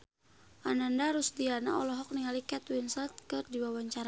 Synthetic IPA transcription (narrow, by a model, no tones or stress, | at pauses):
ʔanandaɾusdiana̰ɔlɔɦɔk̚niŋalikɛt̪winsɛlt̪̚kɨrdiwawaɲt͡ʃaɾa